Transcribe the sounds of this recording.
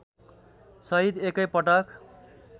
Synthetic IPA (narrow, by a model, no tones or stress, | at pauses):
sʌɦid̪ekʌjpʌʈak